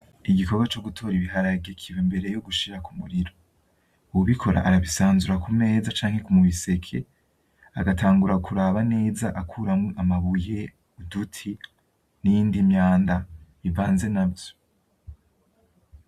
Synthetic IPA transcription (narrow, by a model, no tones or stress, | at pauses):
iɟiko̞ɡwat͡ʃo̞ɡutʰo̞ːɾiβiɦaɾaɡekʰiwimbe̞ɾe̞joɡuʃiɾakumuɾiɾo̞ | uwuβikʰo̞ɾa̰ʔaɾaβisaːnzuɾakumne̞ːzat͡ʃaːŋ̥he̞kumuβise̞kʰe̞ | a̰ɡatʰaːŋɡuɾakuɾaβane̞ːzaʔakʰuːɾamŋeʔamaβuje̞ | udutʰi | nijiːndimɲaːnda | ivaːnze̞nabjo̞̥